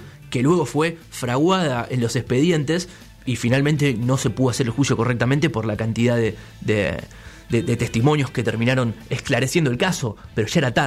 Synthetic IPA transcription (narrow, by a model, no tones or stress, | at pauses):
ke̞lwe̞ɣo̞fwe̞fɾaɣwaðaʔenlo̞sespe̞ðje̞nt̪es | ifinalment̪e̞no̞se̞puðoaseɾelxwusjo̞ko̞rek̚t̪amẽnt̪e̞po̞ɾlakant̪ið̞aðe | ðḛ | ðeðet̪e̞st̪imo̞njo̞ske̞t̪eɾmĩnaɾo̞ne̞hklaɾe̞sje̞nd̪oelkaso̞peɾo̞ʒaeɾat̪a